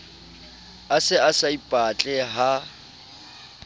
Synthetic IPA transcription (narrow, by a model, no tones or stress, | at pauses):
asɪasaipʼat͡ɬʼɛɦa